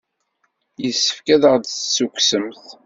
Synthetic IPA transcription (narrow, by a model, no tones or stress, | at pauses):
jəsːə̥fkæðəʁd̪θsːukʷsəmθ